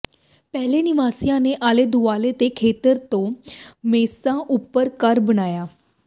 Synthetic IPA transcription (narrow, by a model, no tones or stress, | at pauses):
pɛɦleniʋasjãneʔaled̪ʱuʋalet̪ekʰet̪əɾt̪omesãʔupəɾkaɾbənaja